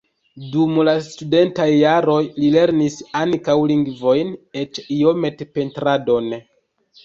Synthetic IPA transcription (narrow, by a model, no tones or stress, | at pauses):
dumlastude̞ntajːaɾo̞jlile̞ɾnisaŋkawliŋɡvo̞jne̞t͡ʃiome̞tepe̞ntɾado̞n